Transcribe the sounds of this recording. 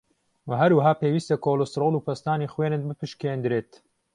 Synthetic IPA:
wɐɦɐɾwɐɦaːpeːwiːst̪ɐkʰoːlost̪ɾolˠuːpʰɐst̪aːnixweːnɨn̚bɨpɨʃkeːnd̪ɾeːt̪

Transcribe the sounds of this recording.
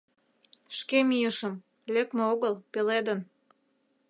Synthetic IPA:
ʃkemijəʃəm | lekmeoɣəlpeled̪ən

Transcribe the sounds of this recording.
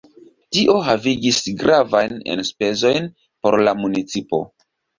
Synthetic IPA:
tiʔo̞ɦaviɡisɡɾavajne̞̰nspe̞zo̞jn | po̞ɾlamunit͡sipo̞̰

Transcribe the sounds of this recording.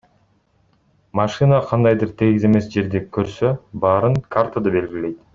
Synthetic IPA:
mɑʃɨnəqʰɑnd̪ɑjd̪ɯɾt̪ʰeɡʲize̞me̞sd͡ʒe̞ɾd̪ekʰøɾsøbɑːɾɯŋkʰart̪ʰad̪ɯbe̞lɡʲile̞jt̪

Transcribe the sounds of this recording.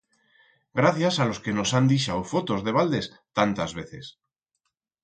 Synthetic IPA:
ɡɾaθjasalo̞ske̞no̞sand̪iʃaofo̞t̪o̞zðe̞β̞ald̪e̞s | t̪ant̪azβe̞θe̞s

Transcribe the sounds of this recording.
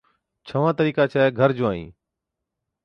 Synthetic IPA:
t͡ʃʰəʋãːt̪əɾiːkaːt͡ʃʰaːɡʱəɾd͡ʒoːaːḭ̃ː

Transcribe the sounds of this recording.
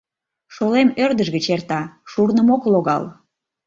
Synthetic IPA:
ʃolemørd̪əʒɣət͡ɕert̪ɑʃurnəmokloɣɑ̰l

